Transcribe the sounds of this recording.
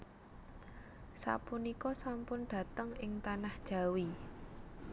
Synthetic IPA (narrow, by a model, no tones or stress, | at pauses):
sa̰punikɔsampʊnɖ̥ä̤t̪əŋɪŋt̪anahd̥ʒ̥a̤wi